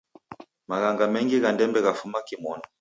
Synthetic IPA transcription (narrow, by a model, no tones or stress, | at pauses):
maɣaŋɡamɛŋɡiɣandɛmbɛɣafumakimɔna